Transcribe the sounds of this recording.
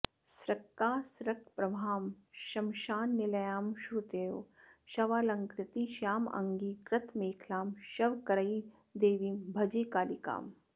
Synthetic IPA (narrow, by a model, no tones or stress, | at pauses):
sɾɐkːaːsɾɐkpɾɐbʱaːm | ʃɐmʃaːnːɪlɐjaːmʃɾut̪eːoʃɐʋaːlɐŋkɾɪt̪iʃaːmɐ̰ŋɡiːkɾɪt̪ʰmeːkʰlaːmʃɐʋkɐɾɐi | d̪eːʋiːmbʱɐd͡ʒeːkaːlika̰ːm